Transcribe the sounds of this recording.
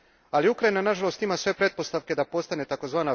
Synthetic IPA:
aliukɾainanaʒalo̞st̪imasʋe̞pɾe̞d̪̚po̞st̪aʋke̞d̪apo̞st̪ane̞t̪ako̞zʋaːna

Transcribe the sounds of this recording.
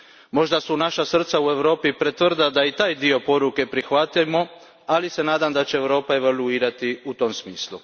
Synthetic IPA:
mo̞ʒd̪asunaʃasr̩t̪saue̞ʋɾo̞ːpipɾet̪ʋr̩d̪ad̪ait̪aːjd̪io̞po̞ɾuke̞pɾixʋat̪ajmo̞ | alise̞naːd̪amd̪at͡ɕe̞ːʋɾo̞ːpae̞ʋaluiːɾat̪iut̪o̞msmiːslˠu

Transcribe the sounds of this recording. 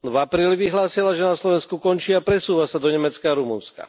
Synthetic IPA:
vapɾiːliʋiɦlaːsilaʒɛnaslɔʋɛnskukɔɲt͡ʃiːapɾɛsuːʋasad̪ɔɲɛmɛt͡skaɾumunska̰

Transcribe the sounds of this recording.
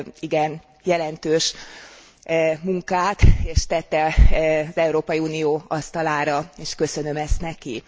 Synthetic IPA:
iɡɛn | jɛlɛnt̪øːʃ | muŋkaːt̪eːʃt̪ɛt̪ːɛɒzɛuɾoːpɒjiuːnijoːɒst̪ɒlaːɾɒeːʃkø̞sø̞nø̞mɛst̪nɛki

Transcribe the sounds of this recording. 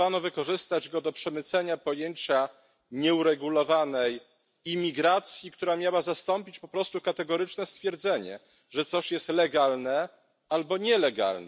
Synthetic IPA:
anɔvɘkɔʐɘst̪ad͡ʑɡɔd̪ɔpʂɛmɘt̪sɛɲapɔjeɲt͡ɕa | ɲɛuɾɛɡulɔvanɛj | imʲiɡɾat̪sʲjikt̪uɾamʲjawazast̪ɔmpʲit͡ɕpɔpɾɔst̪ukat̪ɛɡɔɾɘt͡ʂnɛst̪fʲjɛɾd̪zɛɲɛ̰ | ʐɛt̪sɔɕjɛst̪lɛɡalnɛ | albɔɲɛlɛɡa̰lnɛ

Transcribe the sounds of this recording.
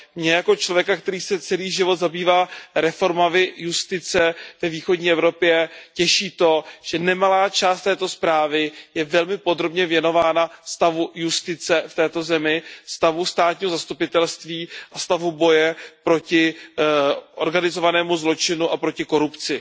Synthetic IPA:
mɲɛjako̞t͡ʃlo̞vjɛkak̚t̪ɛɾiːsɛt͡sɛliːʒɪvo̞t̪zabiːvaːɾɛfo̞ɾmamɪjust̪ɪt͡sɛvɛviːxo̞dɲiːʔɛvɾo̞pjɛcɛʃiːt̪o̞ʒ̥ɛnɛmalaːt͡ʃaːst̪ɛːt̪o̞spɾaːvɪjɛvɛlmɪpo̞d̪ɾo̞bɲɛvjɛno̞vaːnast̪avujust̪ɪt͡sɛft̪ɛːt̪o̞zɛmɪst̪avust̪aːt̪̚ɲiːɦo̞zast̪upɪt̪ɛlst̪viːʔast̪avubo̞jɛpɾo̞cɪ | ʔo̞̰ɾɡanɪzo̞vanɛːmuzlo̞t͡ʃɪnuʔapɾo̞cɪko̞ɾupt͡sɪ

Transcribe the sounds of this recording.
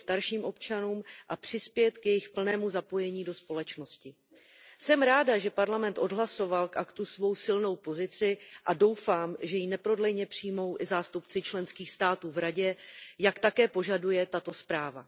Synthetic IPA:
st̪aɾʃiːmʔo̞pt͡ʃanuːmʔapr̝̥ɪspjɛt̪kjɛjɪxpl̩nɛːmuzapo̞jɛɲiːdo̞spo̞lɛt͡ʃno̞scɪ | sɛmɾaːdaʒɛpaɾlamɛnt̪ʔo̞dɦlaso̞valkʔakt̪usvo̞wsɪlno̞wpo̞zɪt͡sɪʔado̞wfaːmʒɛjinɛpɾo̞dlɛjɲɛpr̝̥iːmo̞wʔɪzaːst̪upt͡sɪt͡ʃlɛnskiːxst̪aːt̪uːvɾaɟɛjakt̪akɛːpo̞ʒadujɛt̪at̪o̞spɾaːva̰

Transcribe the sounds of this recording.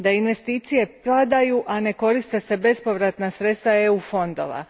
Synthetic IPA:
d̪ainʋe̞st̪iːt̪sije̞plad̪ajuʔane̞ko̞ɾist̪e̞se̞be̞spo̞ʋɾat̪nasɾe̞t̪st̪aeufo̞nd̪o̞̰ʋa̰

